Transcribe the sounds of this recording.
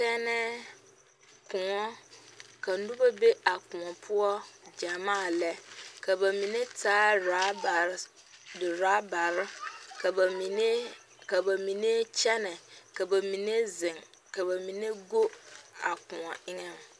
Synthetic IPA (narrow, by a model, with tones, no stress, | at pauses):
sɛ˦nɛ̃˦ | kʰʊ̃˨ŋɔ˦kʰa˨n˦dũ˦ba˦be˦a˨kʊ̃˨ɔ˨pʰʊ˦ɔ˦d͡ʒa˨mãː˦˨lɛ˦kʰa˨ba˨mĩ˨ne˦tʰaː˦ɾa˨˦ba˨ɾɪ˦ | dɪ˨ɾa˦ba˨ɾ | i˨ne˦ | ka˨ba˨mĩ˨ne˦t͡ʃɛ˦nɛ̃˨ka˨ba˨mĩ˨ne˦zɪ̃˨ŋ | ka˨ba˨mĩ˨ne˦ɡo˦a˨kʊ̃˨ɔ̰˨ɪ˦ŋɛ̃˦n˨